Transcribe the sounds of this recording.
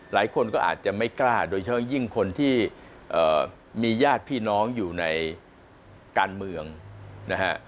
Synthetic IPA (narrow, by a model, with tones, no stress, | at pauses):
la̰ː˩˦jkʰo˧nkɔː˥˩ʔa̰ː˨˩t̪̚t͡ɕa˨˩ma˥˩jklaː˥˩doː˧jt͡ɕʰa˥˦ɔ˥˩ji˥˩ŋkʰo˧nt̪ʰiː˥˩ | ʔɤː˨˩ | miː˧jaː˥˩t̪̚pʰiː˥˩nɔː˦˥ŋjuː˨˩na˧j | kaː˧nmɯ˧əŋna˦˥kʰa˦˥ʔ